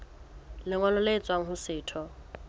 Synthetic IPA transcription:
lɪŋwalʊlet͡sʼwaŋ̩ɦʊsɪːtʰɔ

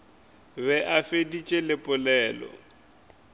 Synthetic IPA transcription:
βɛʔafedit͡ʃʼelɪpʼʊlɛːlɔ̰

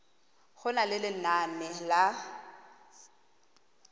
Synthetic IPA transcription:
χʊnalɪlɪnanɛla

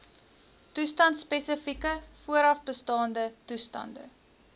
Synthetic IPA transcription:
tustɐntspɛsəfikəfuəɾɐfbəstɑːndətustɐ̰ndə̰

